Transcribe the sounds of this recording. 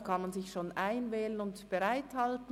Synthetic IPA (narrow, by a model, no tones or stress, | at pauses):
kʰanmanzɪçʃoːnʔaɪnvɛːlənʊntb̥eʁaɪthaltn̩